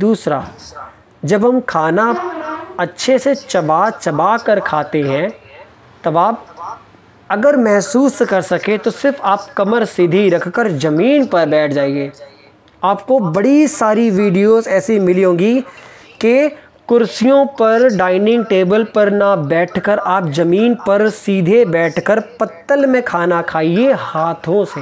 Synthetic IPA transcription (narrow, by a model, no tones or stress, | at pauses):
d̪uːsɾa̰ː | d͡ʒɐbɦɐmkʰaːna | ɐtːʃʰeset͡ʃɐbaːt͡ʃɐbaːkɐɾkʰaːt̪eɦɛ̃ | t̪ɐbaːp̚ | ɐɡəɾmɛɦsuːskɐɾsɐkẽt̪osɪɾfaːpkɐməɾsɪd̪ʱiɾɐkʰkəɾd͡ʒɐmiːnpɐɾbɛːʈʰd͡ʒaːeɡeː | aːpkobɐɽisaːɾiʋiːɖijozɛːsimɪliɦõːɡi | ke | kʊɾsijõpɐɾɖaːɪnɪ̃ŋɡʈeːbəlpɐɾnabɛːʈʰkəɾaːpzɐmiːnpɐɾsiːd̪ʱebɛːʈʰkəɾpɐt̪ːəlmẽkʰaːnakʰaːiehaːt̪ʰõseː